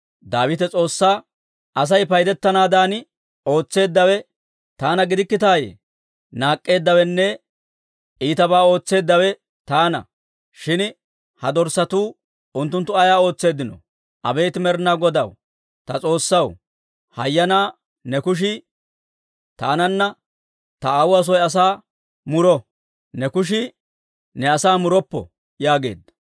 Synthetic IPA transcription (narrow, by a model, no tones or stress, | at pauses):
d̪aːwɪt̪ɛt͡sʼo̞ːsːaː | ʔɐs̬ɐjpɐjd̪ɛt̪ːɐnaːd̪aːn | o̞ːt͡sːe̞ːd̪ːɐwɛ | t̪aːnɐɡɪd̪ɪkːɪt̪aːjḛː | naːkʼːe̞ːd̪ːɐwɛnːɛ | ʔiːt̪ɐbaːo̞ːt͡sːe̞ːd̪ːɐwɛ | t̪aːnɐ̰ | ʃɪn | hɐd̪ɔɾsɐt̪uː | ʊnt̪ːʊnt̪ːʊɐjaːo̞ːt͡sːe̞ːd̪ɪnɔ̰ | ʔɐbe̞ːt̪ɪmɛɾnaɡɔd̪ɐw | t̪ɐt͡sʼo̞ːsːɐw | hɐjːɐnaː | nɛkʊʃ̬ɪ | t̪aːnɐnːɐ | t̪ɐawʊɐs̬ɔjɐs̬aː | mʊɾɔ | nɛkʊʃ̬ɪ | nɛɐsaːmʊɾɔpːɔ̰ | jaːɡe̞̰ːd̪ːɐ̥